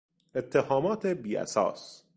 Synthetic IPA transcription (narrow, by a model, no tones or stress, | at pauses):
et̪ʰːehɒːmɒːt̪ʰebiːʔæ̰sɒ̰ːs